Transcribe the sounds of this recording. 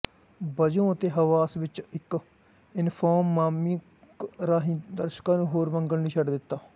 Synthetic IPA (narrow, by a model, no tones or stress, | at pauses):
bəd͡ʒõːət̪eːɦəʋaːsʋɪt͡ʃɪk | ɪnpʰoːmːaːmi | ɾaːɦĩːd̪əɾʃkãːnũːɦoːɾməŋɡəlniːt͡ʃʰəɖd̪ɪt̪ːaː